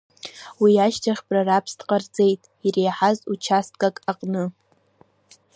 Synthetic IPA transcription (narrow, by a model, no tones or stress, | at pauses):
wiaʃtʰaχʲbʼrarapʰstqʼard͡ze̞jtʼ | irejħazut͡ʃʰastʼɡʼakʼaqʼnɨ